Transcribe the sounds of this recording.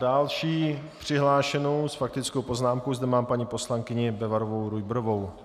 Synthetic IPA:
dalʃiːpr̝̥ɪɦlaːʃɛno̞wsfak̚t̪ɪt͡skowpo̞znaːmkowzd̪ɛmaːmpaɲiːpo̞slaŋkɪɲɪbɛvaɾovo̞wɾujbɾovo̞w

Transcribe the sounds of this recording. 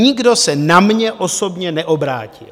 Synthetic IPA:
ɲɪɡdo̞sɛnamɲɛʔo̞so̞bɲɛnɛʔobɾa̰ːcɪ̰l

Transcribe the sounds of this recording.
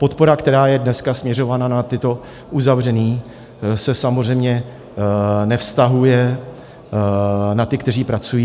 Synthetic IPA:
po̞t̪po̞ɾakt̪ɛɾaːjɛdnɛskasmɲɛr̝o̞vananat̪ɪt̪o̞ | ʔuzavrɛniː | sɛsamorɛjmɲɛ | nɛfst̪aɦujɛ | nat̪ɪkt̪ɛriːpɾat͡sujiː

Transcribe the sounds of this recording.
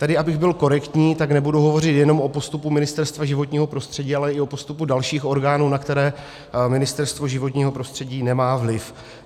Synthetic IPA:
t̪adɪʔabɪɣbɪlko̞ɾɛkt̪ɲiːt̪aknɛbuduɦo̞vo̞rɪt̪jɛno̞mʔo̞post̪upumɪnɪst̪ɛɾst̪vaʒɪvo̞t̪ɲiːɦo̞pɾo̞st̪r̝̥ɛɟiːalɛɪo̞post̪upudalʃiːxo̞ɾɡaːnuːnakt̪ɛɾɛː | mɪnɪst̪ɛɾst̪vo̞ʒɪvo̞t̪ɲiːɦo̞pɾo̞st̪r̝̥ɛɟiːnɛmaːvlɪf

